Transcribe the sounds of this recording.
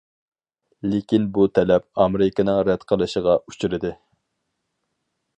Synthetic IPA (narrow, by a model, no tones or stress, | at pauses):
lekʲinbut̪ʰɛlɛp̚ɑmeɾɪkɪnɨŋɾɛt̪qʰəlˠɨʃəʁɑu̥t͡ʃʰyɾɪd̪ɨ